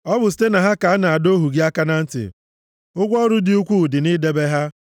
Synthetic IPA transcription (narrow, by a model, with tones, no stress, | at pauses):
ɔ˦bʊ˨si̥˨˦te˦na˨ɦa˦ka˨a˦na˨a˨do˦ɦu˨ɡi˦a˦ka˦na˦n̩˦tɪ̰˨ | ʊ˦ɡʷɔ˦ɾʊ˦dɪ˨u˦kʷu˦˨dɪ˨ni˦de˦be˦ɦa˦